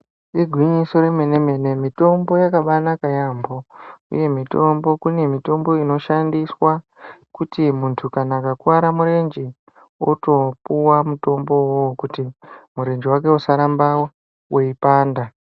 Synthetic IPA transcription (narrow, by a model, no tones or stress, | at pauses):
iɡʱwiɲiso̞ɾeme̞ne̞me̞ne̞mito̞mbo̞jakaɓanakajambo̞ṵje̞mito̞mbo̞kune̞mito̞mbo̞ino̞ʃandiswa | kutimuntʰukanaːkakuaɾamuɾe̞nd͡ʒi | o̰to̞puwamuto̞mbo̞wokutimuɾe̞nd͡ʒiwake̞usaɾambawo | weipaːnda